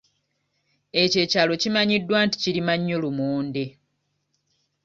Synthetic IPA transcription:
ece̞ːcaːlo̞cimaɲidːwaːnti̥ciɾimaɲːo̞lumuːnde

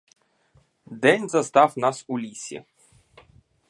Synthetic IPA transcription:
d̪ɛnʲzɐst̪afnasulʲisʲḭ

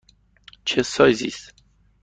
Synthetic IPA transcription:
t͡ʃʰesɔjzḭs

